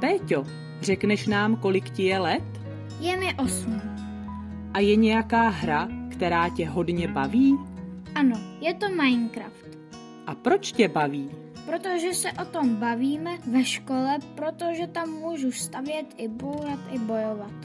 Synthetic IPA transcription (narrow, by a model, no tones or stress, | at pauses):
p̪ɛːco | r̝ɛknɛʃnaːmko̞lɪkcɪjɛlɛt̪ | jɛmɪʔo̞smiː | ʔajɛɲɛjakaːɦɾakt̪ɛɾaːcɛɦo̞dɲɛbaviːʔano̞jɛt̪o̞majnkɾaft̪ | ʔapɾo̞t͡ʃcɛbaviː | pɾot̪oʒɛsɛʔo̞t̪o̞mbaviːmɛvɛʃko̞lɛpɾo̞t̪o̞ʒɛt̪amːuːʒust̪avjɛt̪ʔɪbowɾat̪ʔɪbo̞jo̞vat̪